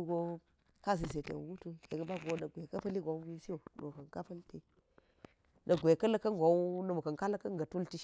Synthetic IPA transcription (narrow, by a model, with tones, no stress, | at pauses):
ɡo˦ | ka˦s̬i˨s̬e˨tḛ˨ɡu˦tu˦je˨ɡə˦ba˦ɡo˦nə˨ɡʷe˨kɐ˦pɐ˦li˦ɡʷo˨wwi˦si˦o˨nə̰˨kɐ˨ŋka˦pɐ˦lte˨ | nʔɐ˨ɡʷe˨kɐ˦lə˦kɐ˦ŋɡʷo˨˦wnə˨mu˨kɐ˨ŋka˦lə˦kɐ˦ŋ˨ɐ˨tu˦lti˦ʃ